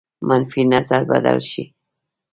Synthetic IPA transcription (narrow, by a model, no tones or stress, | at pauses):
manfinazaɾba̰d̪a̰lʃi